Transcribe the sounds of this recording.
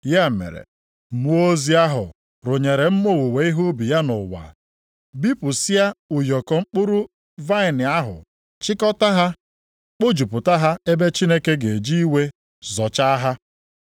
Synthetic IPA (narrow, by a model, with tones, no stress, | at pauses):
ja˦˨mḛ˨ɾḛ˨ | mu˦o˦zi˦a˦ɦʊ̰˨ | ɾʊ˨ɲe˨ɾe˨m̩˦mo˦˨wu˨we˨i˦ɦu˦bi˨ja˦nʊ˨wa̰˨ | bi˦pʊ˨sɪ˦a˦ʊ˨jɔ˨kɔ˨ŋ͡m̩˦k͡pʊ˦ɾu˦ | va˦ɪ˨nɪ˨a˦ɦʊ̰˨ | t͡ʃɪ˦kɔ˦ta˦ɦa˦ | k͡po˦d͡ʒu˨pʊ˨ta˦ɦa˦e˦be˦t͡ʃi˦ne˦ke˦ɡe˨d͡ʒi˦i˦we˦ | zɔ˨t͡ʃa˦ɦa˦